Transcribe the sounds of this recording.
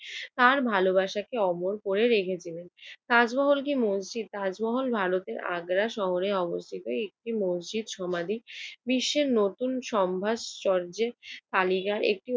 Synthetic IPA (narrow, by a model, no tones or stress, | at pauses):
t̪aɾbʱalobaʃakeɔmoɾkoɾeɾekʰet͡ɕʰilent̪ad͡ʑbɔɦolkimosd͡ʑid̪̚t̪ad͡ʑbɔɦolbʱaɾot̪eɾa̰ɡɾaʃɔɦoɾeɔbost̪ʰit̪oek̚ʈimosd͡ʑid̪ʃɔmad̪ibiʃːeɾnot̪unʃɔmbʱaʃt͡ɕɔɾd͡ʑet̪alikaɾʔḛk̚ʈi